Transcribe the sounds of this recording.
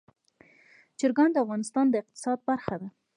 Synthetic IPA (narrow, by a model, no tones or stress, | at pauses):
t͡ʃɪɾɡɑnd̪əafɣɑnɪst̪ɑnd̪əɪq̚t̪ɪ̥sɑd̪̚baɾxad̪a